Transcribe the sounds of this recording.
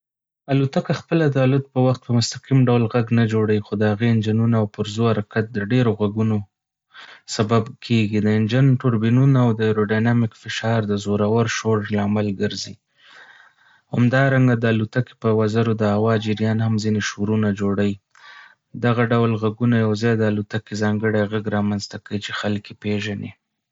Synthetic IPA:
alut̪akaxpəlad̪əalʊt̪̚pəwaxt̪̚pəmʊst̪aqimɖawlɣaɡnad͡ʒoɽawixod̪əhaɣeɪnd͡ʒɪnunaːwpʊɾzohaɾakat̪̚d̪əɖeɾoɣaɡuno | sababkʰeɡid̪əɪnd͡ʒɪnʈʊɾbinunaːwd̪əeɾoɖajnamɪkfɪʃɑɾd̪əzoɾawaɾʃoɾlaːmalɡəɾzi | ha̰md̪ɑɾaŋɡad̪əalut̪ake̥pəwazaɾod̪əhawɑd͡ʒɪɾjɑnhamzineʃoɾunad͡ʒoɽawi | d̪aɣaɖawlɣaɡunajawzɑjd̪əalut̪akezɑŋɡəɽajɣaɡɾɑmanzt̪akawit͡ʃexalkepeʒane

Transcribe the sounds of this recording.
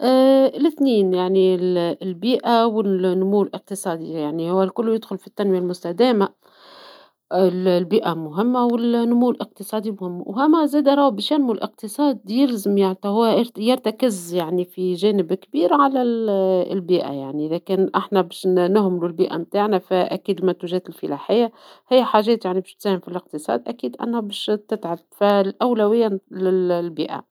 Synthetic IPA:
ʔlɪθniːnjaʕnillbiːʔawɪnːʊmuːlʔq̚t̪ɨsˤɑːd̪ijaʕnihʊwːælkʊlːjɪd̪xʊlfit̪ːanwɪjalmʊst̪ad̪æːma | ɪllbiːʔamʊɦɪmːawɪlnːʊmuːlʔɪq̚t̪ɨsˤɑːd̪imʊhɪmːhɪmːazæːd̪aɾˤɑwbiːʃanmulʔɪq̚t̪ɨsˤɑːd̪jɪlzɪmjaʕnit̪ɑhʊwːjɪɾt̪akɪzjaʕnifiʒɛːnɪbkbiːɾʕalæl̰lbiːʔa̰jaʕniʔɪðækɛnʔɪħnæbɛːʃnʊhmɪlulbiːʔæ̰mt̪aːʕnæfæʔækiːd̪lmænt̪uʒɛːt̪ɪlfɪlaħɪjːa | hɪjːħaːʒɛːt̪jaʕnibɪːʃt̪sæːhɪmfilɪq̚t̪əsˤɑ̰ːd̪ʔækiːd̪ʔæ̰nːhbɛːʃt̪ɪt̪ʕalfælʔæwlæwɪjːalɪllbiːʔa̰

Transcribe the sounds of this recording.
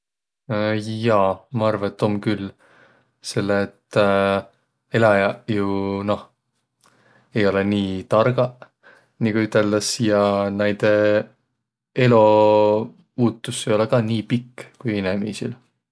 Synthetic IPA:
jɑːmɑɑrvɑt̪ːˑo̞mkylː | se̞lːeːt̪ː | elɑjɑjuno̞h | ejo̞leniːt̪ɑrɡ̥ɑ | nikuyt̪ːˑeld̪̥ɑsjɑnæjd̪̥e | e̞lo̞ | puːt̪ˑːusejo̞lekɑːniːpikːkujinemḭːsḭl

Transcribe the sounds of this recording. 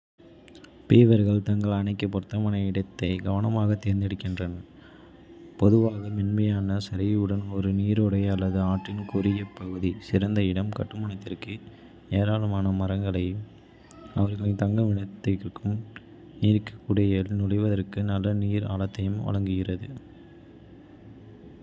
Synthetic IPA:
peːʋɐɾɣɐɭt̪ɐŋɡɐɭɐnɐɪkːɐpːɔɾt̪ːɐmɐnɐɪɽɐt̪ːɐɪɡɐʋɐnɐmaːɣɐt̪ːeːɾɪnd̪ɪɽɯkːɪndrɐnɐ | pɔðɯʋaːɣɐmɪnmɐjaːnɐsɐɾɐjɐɯɽɐnɔɾɯniːɾɔɽɐɪɐlːɐðɯaːʈrɪnkʊɾɪjɐpɐɣɯðisɪɾɐnd̪ɐɪɽɐmkɐʈːɯmɐɳɐt̪ːɪrkɯ | neːɾaːlɯmaːnɐmɐɾɐŋɡɐɭɐɪm | ɐʋɐɾɣɐɭɐt̪ɐŋɡɐʋɪɳɐt̪ːɐkːɯm | iːɾkːɐ̥kːʊɽɐjɐlnʊɽɐʋɐðɐrkɯnɐlːɐniːɾa̰ːɭɐt̪ːɐjɯmʋɐ̰ɭɐŋɡɯɣɪrɐðɯ

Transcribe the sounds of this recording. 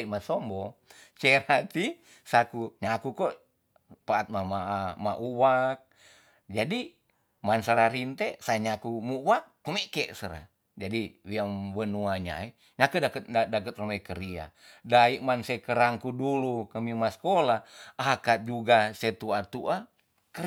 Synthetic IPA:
imasɔmbɔ | t͡ʃeɾat̪i | sakuɲakukoʔ | paːt̪̚mamaama̰ʔuwak̚ | d͡ʒadi | mansəɾaɾint̪ɛsaɲakumuwak̚ːumekeʔsəɾa̰ | d͡ʒadiwiamwənuaɲa̰i | ɲakədakət̪̚adakət̪̚romekəɾia̰ | daiʔmansekəɾaŋkudulukəmimaskolaakat̪̚d͡ʒuɡaset̪uat̪uʔa | kə

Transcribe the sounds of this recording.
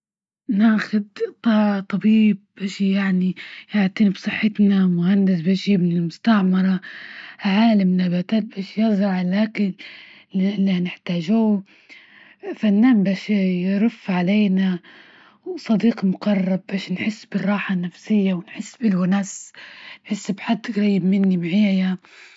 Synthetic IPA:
naːxʊd̪t̪ˤɑt̪ˤɑbiːb̚baːʃjaʕnijaʕt̪ˤiːnibsˤɨħːɪt̪namʊhand̪ɪsbaːʃjɪbnɪlmʊst̪aʕmɑɾˤɑhʕaːlamnabat̪aːt̪̚baːʃjɪzɾɑʕlaːkɪn | lːinɪħt̪aːʒuː | fanːaːnbaːʃjɾʊfːʕaleːna | wsˤɑd̪iːqmʊɡɑrˤːɑb̚baːʃnħɪsːbɪrˤːɑːħanːafsɪjːawɪnħɪsːbɪlwanaːsnħɪsːbħad̪ːɣɾɑjːɪbmɪnːimʕaːja

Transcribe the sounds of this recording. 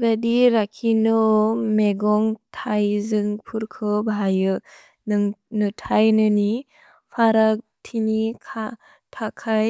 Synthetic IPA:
ɾadiɾakʰːinɔmeɡɔŋtʰajzɯŋpʰuɾkʰɯbajɯ | nɯŋnɯtʰajnɯni | pʰaɾa | tʰinikʰa | tʰakʰaj

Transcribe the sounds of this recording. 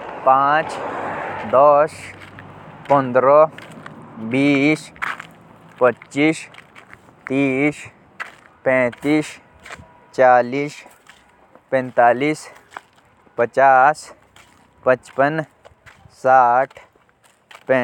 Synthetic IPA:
pãːt͡ʃ | d̪ɔːs | pɔ̃nd̪ɾo | biːs | pətːt͡ʃiːs | t̪iːs | pɛ̃ːt̪iːs | t͡ʃaːliːs | pɛ̃nt̪aːliːs | pət͡ʃaːs | pət͡ʃpən | saːʈʰ | pɛ̃

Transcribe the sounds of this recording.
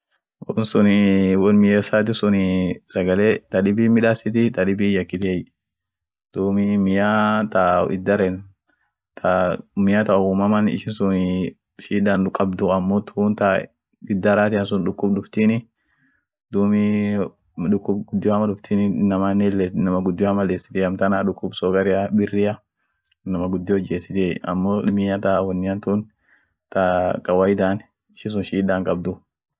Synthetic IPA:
wɔnsʊnɪwɔnmɪjɛsaːt̪̬ɪsʊnɪsɐɡɐleːt̪ɐᶑɪbimɪᶑaːsɪt̪̬ɪt̪ɐᶑɪbijɐkːɪt̪ej | d̪̥uːmɪmɪjaːt̪a̰ɪ̰d̪ːɐɾɛn | t̪amɪjaːt̪ɐʊmɐmɐnɪ̰ʃɪnsʊnɪ | ʃiːᶑanʊkʼɐbd̪ʊɐmːoːt̪ʰʊnt̪a | ɪd̪ːɐɾaːt̪ɪɐns̬ʊnᶑʊkːʊbɗʊft̪iːnɪ | d̪uːmi | ᶑʊkːʊbɡʊd̪ːɪjoɐmɐɗʊft̪ʰinɪnɐmɐnːɛlːenɐmɐɡʊd̪ːɪjɐmɐleːsɪ̥t̪ɛɐmt̪ɐnaᶑʊkːʊbsɔːɡɐɾɪjɐbɪrːɪjɐ | nɐmɐɡʊd̪ːɪjɔd͡ʒeːsːɪt̪ɛɐ̰mːoːmɪɐt̪awɐnːɪɐnt̪ʊn | t̪ɐkʼɐwɐjɪd̪aːn | ɪʃɪns̬ʊnʃiːᶑaːŋkʼɐb̚d̪ʊ

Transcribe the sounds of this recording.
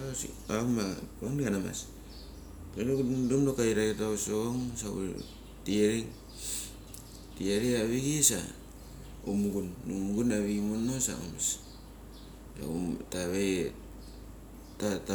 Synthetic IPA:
asḭ | amakanɡanama̰s | penɡudumnokaiɾaketausoŋsaṵ | tiaɾiŋ | tiaɾiaβiɡisa̰ | umuɡunːumɡunaβiɡimonosa̰o̰mas | a̰utaβe | tata

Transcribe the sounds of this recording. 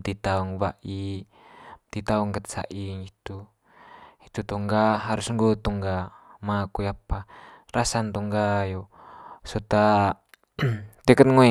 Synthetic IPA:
t̪it̪auŋwaʔi | t̪it̪auŋkət̪̚sa̰ʔiŋit̪u | it̪ut̪ɔŋɡaɦaɾusŋɡot̪ɔŋɡamakujaparasant̪ɔŋɡajosot̪a | t̪ekət̪̚ŋoɛ

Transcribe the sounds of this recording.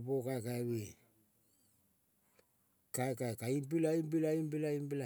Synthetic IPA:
pokakaβi | kakakaimp̬ilaimp̬ilaimpilaimpila

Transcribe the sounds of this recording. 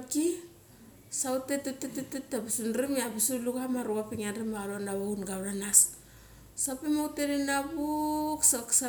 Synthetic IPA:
ki | sawtetetetetetːapisunɾimeabisulukamaɾuapiŋanɾimaɾoanaβaunɡawɾanas | sapimawteɾinabuksaksa

